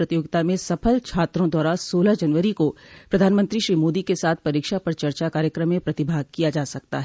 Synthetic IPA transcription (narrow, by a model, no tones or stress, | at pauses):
ɾɐt̪ijoːɡɪt̪amẽsɐpʰəlt͡ʃʰaːt̪ɾõd̪waːɾaːsoːlad͡ʒɐnʋəɾikopɾɐd̪ʱaːnmə̃nt̪ɾiʃɾiːmoːd̪ikesaːt̪ʰpɐɾiːkʃapɐɾt͡ʃɐɾt͡ʃakaːɾjəkɾəmːẽpɾɐt̪ɪbʱaːɡ̚kijad͡ʒaːsɐk̚t̪a̰ɦɛ